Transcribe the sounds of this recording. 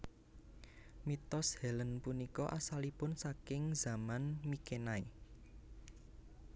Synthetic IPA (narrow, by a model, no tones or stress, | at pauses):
mit̪ɔshɛlənpunikɔʔasalipʊnsakɪŋza̤manmikenae